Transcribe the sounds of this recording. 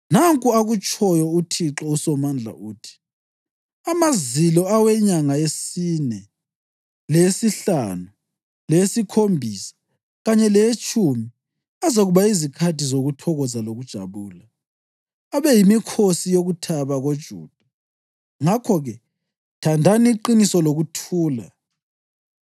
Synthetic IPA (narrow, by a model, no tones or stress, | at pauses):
naŋkʼuaɣut͡ʃʼʰɔjɔutʰiǁɔusɔmand͡ɮʱa̰ʔuːtʰi̥ | amazilɔawɛɲaŋaesinɛ | lesiɬanu | lesikʰombʱisḁ | ɣaɲɛlet͡ʃʼumi | azaɣuβaizikʰatʰizoɣutʰɔɣɔzaloɣud̥ʒ̥ʱa̰βuːla | aβɛjimikʰosijoɣutʰaβaɣod̥ʒ̥ʱṵːd̥ʱa | ŋakʰɔɣɛ | tʰandʱaniǃinisɔloɣutʰuːla̰